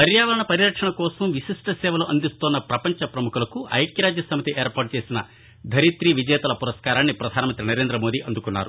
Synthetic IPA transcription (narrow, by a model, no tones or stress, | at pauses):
d̪ɐɾjaːʋɐɾɐɳɐpɐɾijɾɐkʂɐɳɐkɔːsɐmʋisiʂʈɐsɛːʋɐloːʔɐnd̪ist̪oːnːɐpɾɐpɐɲt͡ʃɐpɾɐmukulɐkuɐ̰jkjɐɾaːd͡ʒjɐsɐmit̪iʔeːɾpaːɾʈ̚t͡ʃe̞ːsinɐ | d̪ʱɐɾit̪ɾiʋid͡ʒɛːt̪ɐlɐpuɾɐskaːɾaːnːipɾɐd̪ʱaːnɐmɐnt̪ɾinɐɾe̞ːnd̪ɾɐmo̞ːd̪iʔɐnd̪ukunːa̰ːɾṵ